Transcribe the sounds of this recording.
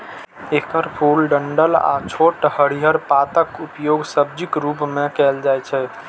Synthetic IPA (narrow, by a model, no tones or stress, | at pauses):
ekəɾpʰulɖəɳɖəla̰t͡ʃʰoʈhəɽiɦəɾpat̪əkupjoɡsəbd͡ʒikɾupmekɛld͡ʒajt͡ʃʰɛ